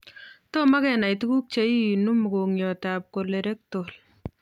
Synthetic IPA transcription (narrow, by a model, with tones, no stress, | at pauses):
to˦ma˦kɛ˨na˨jtu˦ku˦k̚t͡ʃe˨˦i˦˨nu˦m˨ko˨ŋjɔ˨ta˨p̚ko˨le˨ɾe˦k̚to˨l